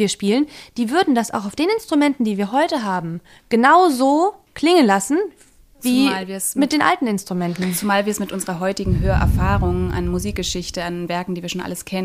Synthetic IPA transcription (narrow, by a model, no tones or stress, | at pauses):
iːɐʃpiːlənd̥iːvʏɐdn̩dasa̰ʊxaʊfd̥eːnɪnstʁ̥umɛntn̩diːviːɐɦɔʏtəɦaːbm̩ | ɡ̥ənaʊzoːkl̥ɪŋənlasn̩ | viːlviːɐsmɪt̚d̥eːnʔa̰ltn̩ɪnstʁ̥umɛntn̩t͡sumaːlviːɐɛsmɪtʔʊnzəʁɐɦɔʏtɪɡŋ̩ɦøːɐʔɛ̰ɐfaːʁʊŋʔa̰nmuziːk̚ɡ̥əʃɪçtəanvɛɐkŋ̩diːviɐʃoːnʔa̰ləskʰɛnə